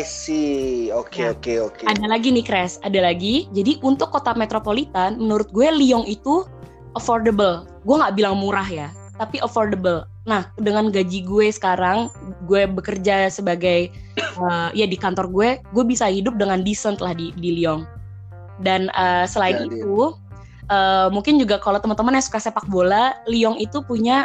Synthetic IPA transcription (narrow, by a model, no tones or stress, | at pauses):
siokeokeokeadalaɡinikɾɛsadalaɡid͡ʒadiʔunt̪ʊkːot̪amet̪ɾopolit̪anmənuɾʊt̪̚ɡuɛliɔŋit̪u | ʔəfɔrdəbəl | ɡuɛŋɡaʔbilaŋmuɾaɦja | t̪apiʔəfɔrdəbəl | nahədəŋanɡad͡ʒiɡuɛsə̥kaɾaŋɡuɛbəkərd͡ʒasəbaɡaj | əjadikant̪ɔrɡuɛɡuɛbisahidʊp̚dəŋandisənt̪əlahdidiliɔŋ | danəsəlaɪnit̪u | ʔəːmuŋkɪnd͡ʒuɡakalot̪əmənt̪əmanjasu̥kasepak̚bolaliɔŋit̪upuɲa